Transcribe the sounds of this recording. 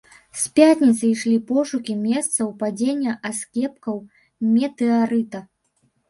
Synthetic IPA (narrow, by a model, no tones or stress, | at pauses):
spʲjat̪ʲnʲit̪sɨjʂlʲipɔʂukʲimʲɛst̪sɐwpad͡zʲenʲːɐʔaskʲɛpkɐw | mʲɛt̪ɛaɾɨt̪ɐ